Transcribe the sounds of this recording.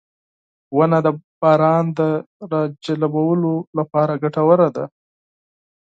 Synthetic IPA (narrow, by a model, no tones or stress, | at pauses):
wanad̪əb̥ɑɾɑnd̪ə | ɾɑd͡ʒalabawəlolapɑɾaɡaʈawəɾad̪a̰